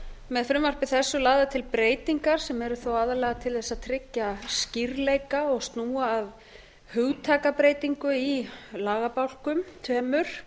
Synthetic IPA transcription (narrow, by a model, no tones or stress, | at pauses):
mɛðfɾʏmvar̥pɪθɛsːʏlaːɣðat̪ʰɪlpɾeːjt̪iŋkaɾ̥sɛmɛɾʏθowaːðalɛɣat̪ʰɪlθɛsːaðt̪ʰɾɪcːasciɾlejkaɔɣst̪nuːaːv | hʏɣt̪ʰaːkapɾeːjt̪iŋkʏilaːɣapawl̥kʏmt̪ʰɛːmʏɾ̥